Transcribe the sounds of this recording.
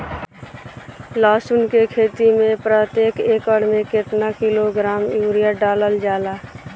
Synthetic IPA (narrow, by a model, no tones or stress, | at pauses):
laːsʊnkekʰeːt̪imẽpɾət̪jeːkeːkəɽmẽkɪt̪nakiloɡɾaːmjuːɾijaɖaːləld͡ʒaːlaː